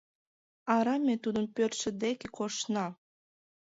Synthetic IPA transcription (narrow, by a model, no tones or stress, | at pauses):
ɑɾɑmʲet̪ud̪əmpørt̪ʃĕd̪ekekoʃnɑ